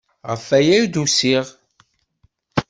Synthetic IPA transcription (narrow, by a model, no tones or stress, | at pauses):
ʁəfæjæjd̪usiʁ